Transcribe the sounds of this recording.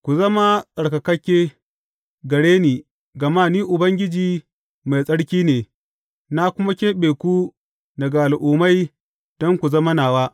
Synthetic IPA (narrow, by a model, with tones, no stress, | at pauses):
kʷu˨zɐ˦ma˦sʼɐ˨ɽkɐ˨kɐ˦kʲːeː˦ | ɡɐ˨ɽeː˦niː˨ | ɡɐ˨maː˦˨niː˦ʔʊ˨bɐ˦ŋɡʲɪ˦d͡ʒiː˨ | ma˨jsʼɐ˦ɽkʲiː˦neː˨ | na˦kʷʊ˦ma˦kʲeː˦ɓeː˨kʷu˦ | nɐ˨ɡaː˨lʔʊː˨ma˦j | d̥ɔ˦ŋkʷu˨zɐ˦ma˦naː˨waː˦